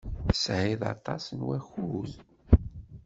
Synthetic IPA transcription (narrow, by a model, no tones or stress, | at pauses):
sʕiðɑ̰t̪ˤɑsnwæçuð